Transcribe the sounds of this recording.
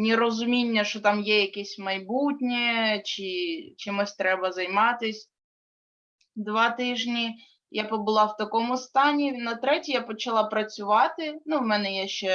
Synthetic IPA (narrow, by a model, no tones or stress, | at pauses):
nʲiɾɔzʊmʲinʲːɐʃɔt̪ɑmjɛjɐkɛsʲmɐjbutʲnʲɛt͡ʃɪt͡ʃɪmɔsʲt̪ɾɛbɐzɐjmɑt̪ɪsʲ | d̪ʋɑt̪ɪʒnʲi | japɔbʊlˠɑwt̪ɐkɔmʊst̪ɑnʲinɐt̪ɾɛtʲijapɔt͡ʃɐlˠɑpɾɐt͡sʲʊʋɑt̪ɪnuwmɛnɛjɛʃt͡ʃɛ